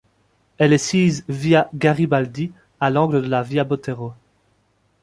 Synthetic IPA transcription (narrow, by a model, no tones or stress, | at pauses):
ɛlɛsiːzviaɡaʁibald̪i | alɑ̃ɡləd̪əlaviabot̪eʁo